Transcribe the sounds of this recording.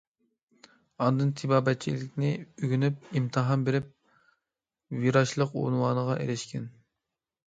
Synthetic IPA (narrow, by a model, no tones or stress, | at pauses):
ɑnd̪ɨnt̪ʰibɑːbɛt̪̚t͡ʃʰḭlɪkʲnɪyɡʲynyp̚imt̪ʰɨɦɑnbeɾɪp̚ | viɾɑʃlˠəqo̰nwɑːnəʁɑʔḛɾɛʃkʲʰɛn